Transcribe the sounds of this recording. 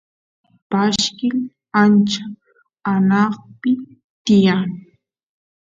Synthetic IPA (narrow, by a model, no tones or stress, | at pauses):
paʃkɪl | ant͡ʃa | anɑχpɪ | t̪ɪjaŋ